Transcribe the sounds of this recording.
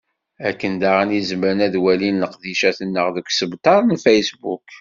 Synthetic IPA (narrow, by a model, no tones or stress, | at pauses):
ækːənd̪aʁænizəməɾənæðwælinːəqðiʃæθənːəʁðəkʷːsəbt̪ˤɑɾˤnfæjsbṵk